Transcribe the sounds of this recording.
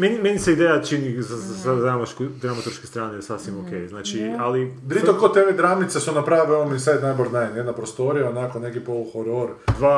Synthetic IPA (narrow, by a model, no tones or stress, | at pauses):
menimeniseid̪ejat͡ʃinizasad̪ɾamaʃkud̪ɾamat̪uɾʃkest̪ɾaːnesasʋimokejznaːt͡ʃialipɾiomkot̪eʋed̪ɾamnit̪sesunapɾaːʋeomisanajboɾnanjed̪napɾost̪oɾijaonakonekipoluxoɾoɾd̪ʋaː